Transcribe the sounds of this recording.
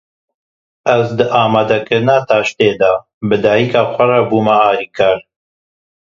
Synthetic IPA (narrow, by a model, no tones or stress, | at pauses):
ɛzd̪ɨʔaːmaːd̪ɐkɨɾnaːt̪ʰaːʃt̪eːd̪aː | bɨd̪aːjikaːxʷɐrɐbuːmɐaːliːkʰaːɾ